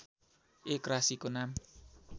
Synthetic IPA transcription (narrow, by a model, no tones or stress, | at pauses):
ʔekɾasikonam